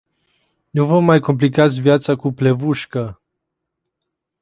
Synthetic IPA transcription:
nuvomːajkomp̬likat̪sʲvjat̪sakuplevuʃkə

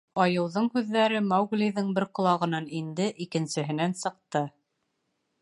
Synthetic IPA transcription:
ɑjɤ̆wðɤɴhʉðːæɾɘmɑwɡlʲiðɘɴbɘɾqŏlˠɑʁɤ̆nɑnind̪ɘʔikɘ̆nsɘ̆ɦɘ̆nænsɤ̆q̚t̪ɤ

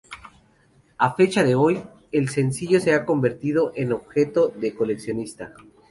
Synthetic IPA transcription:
afe̞t͡ʃaðe̞o̞j | e̞lse̞nsiʝo̞se̞ako̞mbe̞ɾt̪iðo̞ʔeno̞βxe̞t̪o̞ðeko̞le̞ksjo̞nist̪a

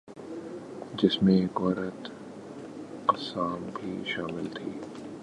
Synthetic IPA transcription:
d͡ʒɪsmẽkɔːɾət̪ | qɐsaːmbʱḭːʃaːmɪlt̪ʰiː

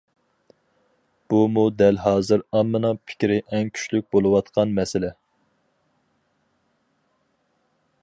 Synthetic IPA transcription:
b̥umud̪ɛlɦɑːzɨɾɑmːɨnɨpʰɪ̥kʲɾɪʔɛŋkʲʰy̥ʃlyk̚ʲbolˠɨwɑt̪qʰɑnmɛsɪlɛ

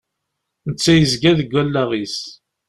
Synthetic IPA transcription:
nət͡sːæjəzɡæðəɡʷːælːæʁis

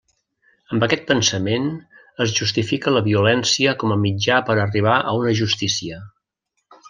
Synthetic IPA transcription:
əmbəkɛt̪̚pənsəmen | əzʒust̪ifikələβiulɛnsiəkɔməmid͡ʒapəɾəriβ̞aʔəunəʒust̪isiə

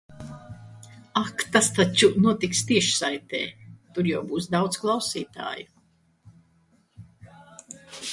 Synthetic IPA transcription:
akt̪ast̪at͡ʃunuɔt̪ikst̪iɛʃsajt̪ɛ̰ːt̪uɾjawbuːs̬d̪awd̪sklˠawsiːt̪a̰ːju

